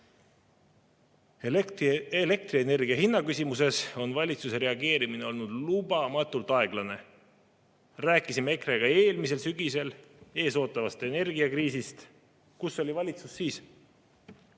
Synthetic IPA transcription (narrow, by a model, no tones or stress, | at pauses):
ele̞k̚t̪riene̞rɡ̥iɑɦinːɑkysimuse̞so̞nvɑlʲit̪suse̞ɾe̞ɑɡe̞ːɾimine̞o̞lnud̪̥lub̥ɑmɑt̪ːult̪ˑɑe̞ɡ̥lɑne̞ | ræːkːˑisime̞kre̞ɡ̥ɑe̞ːlmise̞lsyɡise̞le̞ːso̞ːt̪ːˑɑvɑst̪e̞ne̞rɡiɑkriːsist̪ | kusːo̞lʲivɑlʲit̪susːiːs